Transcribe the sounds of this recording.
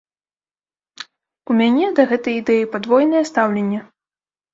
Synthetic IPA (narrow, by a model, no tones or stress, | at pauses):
umʲanʲɛd̪ɐɣɛt̪ɐjid̪ɛjipad̪vɔjnɐjɛst̪awlʲenʲːɛ